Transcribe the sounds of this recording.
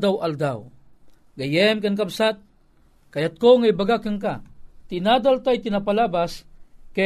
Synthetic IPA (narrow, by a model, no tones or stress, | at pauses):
d̪awald̪aw | ɡɐjɛmkankabsat̪̚ | kajat̪̚koŋajbaɡakaŋkat̪ɪnaːd̪alt̪ajt̪ɪnapalabaska